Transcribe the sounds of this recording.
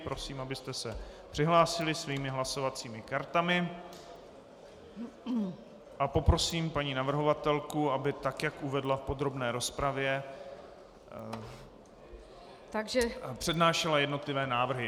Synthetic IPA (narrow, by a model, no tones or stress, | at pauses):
pɾo̞siːmabɪst̪ɛsɛpr̥ɪɦlaːsɪlɪsviːmɪɦlaso̞vat͡siːmɪkaɾt̪amɪ | ʔapo̞pɾo̞siːmpaɲiːnavr̩ɦo̞vat̪ɛlkuabɪt̪akjakʔuvɛdlafpo̞d̪ɾo̞bnɛːɾo̞spɾavjɛ | t̪aɡʒɛpr̥ɛdnaːʃɛlajɛdno̞t̪lɪvɛːnaːvr̩ɦɪ